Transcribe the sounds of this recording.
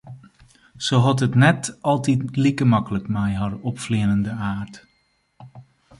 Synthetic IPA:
soɦɑtətnɛtɑlˠtitlikəmɑkələkmɛjɦɑrɔpfliənəndəaːrt

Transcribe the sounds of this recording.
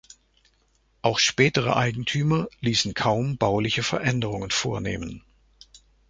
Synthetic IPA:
ʔaʊxʃpɛːtəʁə̰ʔaɪɡŋ̩tʰyːmɐliːsn̩kʰaʊmbaʊlɪçəfɛɐʔɛndəʁʊŋənfoːɐnḛːmən

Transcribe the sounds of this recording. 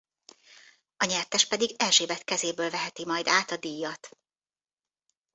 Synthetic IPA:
ɒɲɛrt̪ɛʃpɛd̪iɡɛlʒeːbɛt̪kɛzeːbøːlvɛɦɛt̪imɒjd̪aːt̪ɒd̪iːjːɒt̪

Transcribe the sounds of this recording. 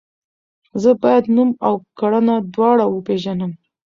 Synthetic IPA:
zəbɑjad̪numawkaɽanad̪wɑɽawəpeʒanəm

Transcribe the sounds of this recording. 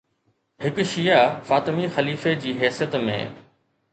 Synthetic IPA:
hɪkʃijafaːt̪ɪmixɐliːfed͡ʑiːɦɛːsijət̪mḛ̃ː

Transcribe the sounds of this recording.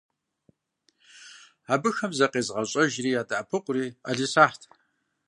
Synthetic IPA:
aːbɨxɐmzɐqʼeːzʁɐɕʼɐʒriːjaːtʼaʔapʰɨqʷʼriːa̰ɮisaːħtʰ

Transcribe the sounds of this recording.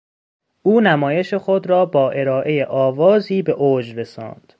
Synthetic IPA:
ʔuːnæmɒːje̞ʃexod̪ɾɒːbɒːʔe̞ɾɒːʔe̞jeʔɒːvɒːziːbe̞ʔoːd͡ʒɾesɒ̰ːnd̪̥

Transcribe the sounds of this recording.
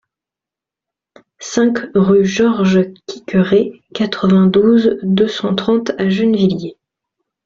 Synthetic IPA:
sɛ̃kʁyʒɔʁʒkʲʰi̥kʲəʁe | kat̪χəvɛ̃d̪uzd̪øsɑ̃t̪χɑ̃t̪aʒynvilje

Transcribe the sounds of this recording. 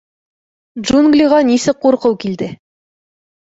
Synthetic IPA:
dʒunɡlʲiʁɑnisɘq̚qːuɾqɤwkild̪ɘ

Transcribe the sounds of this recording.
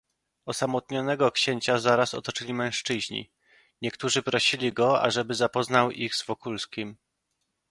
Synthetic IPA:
ɔsamɔt̪ɲɔnɛɡɔkɕeɲt͡ɕazaɾasɔ̰t̪ɔt͡ʂɘlʲimɛ̃w̃ʂt͡ʂɘʑɲḭ | ɲɛkt̪uʐɘpɾɔɕilʲiɡɔa̰ʐɛbɘzapɔznawiɣzvɔkulskʲim

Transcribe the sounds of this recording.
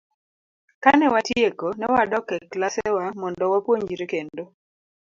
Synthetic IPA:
kanɛwatjekonɛwadɔkɛklasewamɔndɔwapwoɲd͡ʒiɾikendo

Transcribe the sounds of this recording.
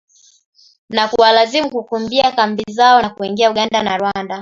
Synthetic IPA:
nakuwalazimukukumbiakambizaɔnakuiŋɡiauɠandanaɾwanda

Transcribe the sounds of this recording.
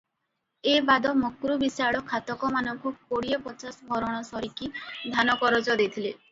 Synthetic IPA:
ebad̪ɔmokɾubisaɭɔkʰat̪ɔkɔmanɔŋkukoɽijɔpɔt͡ʃasɔbʱɔɾɔɽ̃ɔsɔɾikid̪ʱanɔkɔɾɔd͡ʒɔd̪et̪ʰile

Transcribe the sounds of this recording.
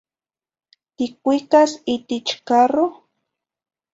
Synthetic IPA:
t̪ɪkʷikasit̪ɪt͡ʃkaɾo

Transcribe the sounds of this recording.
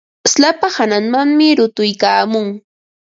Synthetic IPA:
slapahanaŋmaŋmɪɾʊt̪ʊjkaːmʊŋ

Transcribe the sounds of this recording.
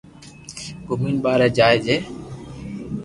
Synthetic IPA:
ɡʊmiːnɓaːɾɛːd͡ʒaːed͡ʒeː

